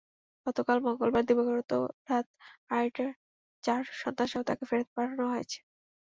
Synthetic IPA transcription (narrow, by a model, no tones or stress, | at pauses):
ɡ̥ɔt̪okalmoŋɡolbaɾd̪ibokoɾot̪o̰ɾat̪ajʈa | t͡ɕaɾʃɔnt̪aʃaot̪akefeɾet̪epaʈʰanoɦojet͡ɕʰe̥